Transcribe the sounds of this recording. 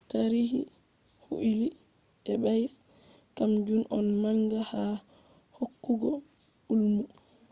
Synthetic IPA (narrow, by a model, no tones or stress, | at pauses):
taɾiɦi | hṵʔili | ɛɓajs | kamd͡ʒunʔɔnmaŋɡaha | hokːuɡɔ | ulmu